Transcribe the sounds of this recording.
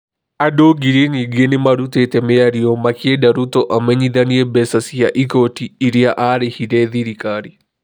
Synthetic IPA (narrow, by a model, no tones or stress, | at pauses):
adoɡiɾiɲiɡenɪmaɾut̪et̪ɛmeaɾiomakedaɾut̪oʔamɛɲiðaniebɛsasiaʔikotiːɾiaʔaɾehiɾɛðiɾikaɾi